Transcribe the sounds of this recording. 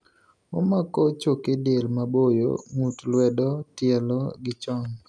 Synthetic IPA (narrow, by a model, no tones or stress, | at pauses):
o̰makɔt͡ʃokedelmabojo̰ŋutlwɛdɔtɪɛlɔɡɪt͡ʃɔŋ